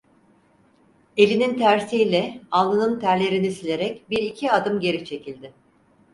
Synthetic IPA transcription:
e̞lʲinint̪ʰæɾsijlʲɛalˠːɯnɯnt̪ʰæɾlʲe̞ɾinisilʲe̞ɾɛcbiɾicʰiad̪ɯmɟe̞ɾit͡ʃʰe̞cʰilʲd̪ɪ

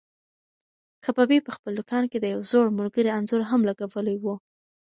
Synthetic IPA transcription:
kʰapɑbipəxpəld̪ʊkɑnked̪əjawzoɽmʊlɡəɾianzoɾɦamlaɡawəlawu

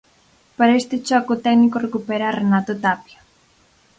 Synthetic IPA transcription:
paɾaest̪et͡ʃɔkot̪ɛknikorekupɛɾaːrenat̪ot̪apja

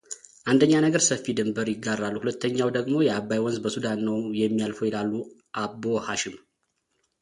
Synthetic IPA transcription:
ʔand̪əɲːanəɡəɾsəfːid̪ɨmbəɾjɪɡːarːalːuhulət̪ːəɲːawd̪əɡmo̞jɛabːajwɔnzbəsud̪anːəwjɛmːijalfojɛlalːuʔabohaʃɪm

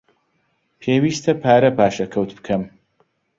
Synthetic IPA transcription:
pʰeːwiːst̪ʰɐpʰaːɾɐpaːʃɐkʰɐwt̪bɨ̥kʰɐm

